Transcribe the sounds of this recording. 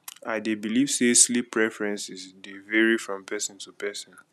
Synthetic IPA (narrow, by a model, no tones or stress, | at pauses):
adebiliv̥seslipʰːɹɛfɹɛ̃nsisdevɛɹifɹɔ̃mpʰɛsɔ̃ntupɛsɔ̃n